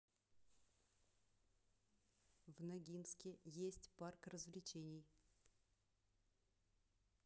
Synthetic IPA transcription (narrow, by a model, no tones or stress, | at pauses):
vnɐɡʲinskʲɪjesʲtʲparkrəzvlʲɪt͡ɕenʲɪj